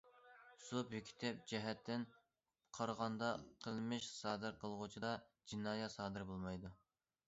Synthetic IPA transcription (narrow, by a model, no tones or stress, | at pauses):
supykʲʰi̥t̪ʰɛp̚d͡ʒɛɦɛt̪ʰːɪn | qʰɑɾʁɑnd̪ɑqʰəlˠmɨʃsɑːd̪ɨɾqʰəlˠʁʊt͡ʃʰid̪ɑd͡ʒinɑːjɛsɑːd̪ɨɾbolˠmɑjd̪u